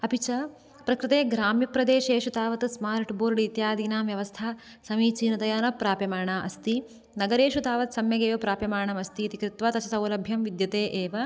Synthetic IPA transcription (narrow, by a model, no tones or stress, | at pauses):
ɐpit͡ʃɐ | pɾɐkɾɪt̪eːɡɾaːmjɐpɾɐd̪eːʃeːʃut̪aːʋɐt̪smaːɾʈboːɾɖit̪jaːd̪inaːmʋjɐʋɐst̪ʰaː | sɐmiːt͡ʃiːnɐt̪ɐjaːnɐpɾaːpjɐmaːɳaːʔɐst̪i | nɐɡɐɾeːʃut̪aːʋɐt̪sɐmjɐɡeːʋɐpɾaːpjɐmaːɳɐmɐst̪iːt̪ikɾɪt̪ʋaːt̪ɐt͡ʃʰɐsɐwlɐbʱjɐmʋid̪jɐt̪eːʔeːʋɐ